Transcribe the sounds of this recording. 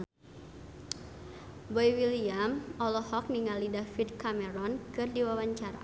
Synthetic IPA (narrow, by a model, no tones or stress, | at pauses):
bɔjwiliamɔlɔhɔk̚niŋalidafid̚kamɛɾɔnkɨrdiwawaɲt͡ʃaɾa̰